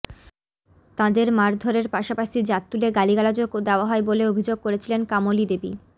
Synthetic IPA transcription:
t̪ãd̪eɾmaɾd̪ʱoɾeɾpaʃapaʃid͡ʑat̪ːuleɡaliɡalad͡ʑoɡod̪eoaɦɔeboleobʱid͡ʑoɡ̚koɾet͡ɕʰilenkamolid̪ebḭ

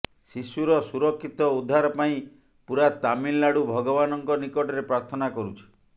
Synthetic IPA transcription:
sisuɾɔsuɾɔkʰːit̪ɔud̪ʱːaɾɔpaĩ | puɾat̪amillaɽubʱɔɡɔβanɔŋkɔnikɔʈɔɾepɾaɾt̪ʰɔnakɔɾut͡ʃʰi̥

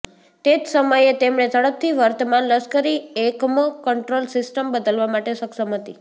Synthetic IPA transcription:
t̪ed͡ʒsəməjet̪emɳet̪ʰəɽəp̚t̪ʰiʋəɾt̪əmanləskəɾiekməkəɳʈɾolsɪsʈəmbəd̪əlʋamaʈesəksəmɦət̪i

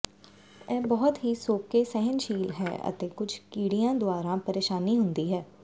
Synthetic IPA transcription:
ɛːbɔːt̪ɦiːsoːkeːsɛɦənʃiːlɦɛ̰ːə̰t̪eːkʊd͡ʒkiːɽijãːd̪ʊaːɾãːpəɾeːʃaːniːɦʊnd̪iːɦɛː

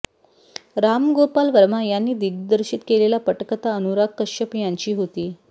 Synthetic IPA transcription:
ɾamɡopalʋəɾmajanːiːd̪iɡd̪əɾɕiːt̪kelelapəʈkət̪aənuɾakkːəɕəpjãɲt͡ɕiːɦot̪iː

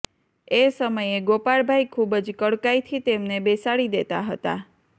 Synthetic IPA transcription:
esəməjeɡopaɭbʱajkʰubəd͡ʒkəɽkajt̪ʰit̪emnebesaɽid̪et̪a̰ɦət̪a̰

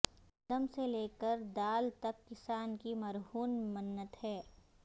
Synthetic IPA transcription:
d̪əmseleːkəɾd̪aːlt̪ɐkːɪsaːnkimɐɾɦuːnmənːət̪ɦɛː

